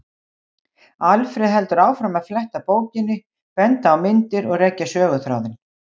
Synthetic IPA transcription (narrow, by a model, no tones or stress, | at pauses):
alfɾɪðɦɛlt̪ʏɾaːwfɾamaðflɛht̪apoːwcɪnːɪ | pɛnt̪aːwmɪnt̪ɪɾɔɣrecːasœːɣʏθɾa̰wðɪn